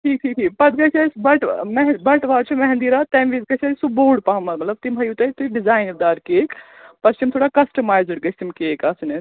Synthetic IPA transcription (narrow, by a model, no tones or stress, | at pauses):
ʈʰiːk̚ʈʰiːk̚ʈʰiːkpɐd̪̚ɡɐt͡ʃʰɐsbɐʈmɛɦbɐʈʋaːt͡ʃʰimɐɦɛ̃nd̪iɾaːt̪ɐmʋizɡɐt͡ʃʰɐsuboːɖ̚paɦmɐt̪lɐb̚t̪imbɐjut̪ɐit̪uɖizaːjnɾd̪aːɾkeːk | pɐɾst͡ʃimt̪ʰoːɽakɐsʈɐmaːjzəɽɡɐst̪imkeːkɐsnes